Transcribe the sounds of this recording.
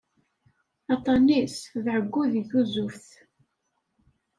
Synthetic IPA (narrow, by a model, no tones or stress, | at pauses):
ɑt̪ˤɑnisðʕəɡʷːuðiθuzʊfθ